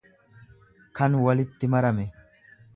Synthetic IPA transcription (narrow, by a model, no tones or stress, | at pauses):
kɐnwɐlɪt̪ːɪmɐɾɐmɛ